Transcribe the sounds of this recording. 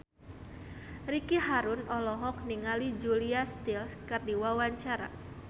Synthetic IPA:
ɾikiɦaɾunɔlɔɦɔk̚niŋalid͡ʒuliast̪ilskɨrdiwawaɲt͡ʃaɾa̰

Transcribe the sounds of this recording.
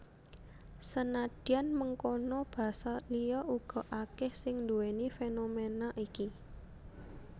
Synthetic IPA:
sənad̪̥ianməŋkonɔb̥ä̤salijɔʔuɡ̥ɔ̤ʔakɪhsɪŋnd̪uwenifenomenaʔiki

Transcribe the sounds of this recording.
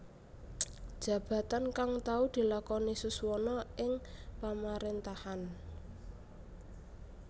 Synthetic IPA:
d̥ʒ̥a̤b̥ä̤t̪ankaŋt̪aud̪̥i̤lakɔnisuswɔnɔɪŋpamaɾent̪ahan

